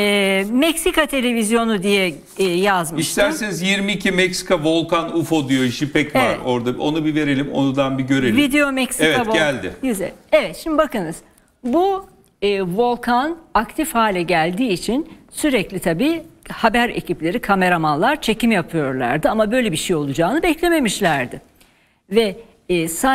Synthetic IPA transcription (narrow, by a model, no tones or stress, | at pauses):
ɛːmɛcsikʰat̪ʰe̞lʲe̞vizjo̞nud̪ijɛ | jazmɯiʃt̪æɾsɛnizjiɾmiːcʰimɛcsi̥kavo̞lˠkʰanufo̞d̪ijo̞iʃipʰɛcvavɛɾo̞ɾd̪ao̞̰nubive̞ɾelʲimo̞̰nud̪anbiɟø̞ɾelʲvid̪e̞jo̞mɛcsievkavoælʲd̪ɪ̰jyzɛ̰evɛt̪ʃimd̪ibakɯnɯz̥ | bu | ɯvo̞lˠkʰanakt̪ʰifhaːlʲɛɟælʲd̪iːt͡ʃʰinsyɾɛclʲit̪ʰabiːhabæɾe̞̰ciplʲe̞ɾikʰame̞ɾamanlˠaɾt͡ʃʰe̞cimjapʰɯjo̞ɾlˠa̰ɾd̪ɯamabø̞jlʲebiʃejo̞lˠud͡ʒaːnɯbɛclʲe̞me̞miʃlʲæɾd̪ɪ | vɛː | sa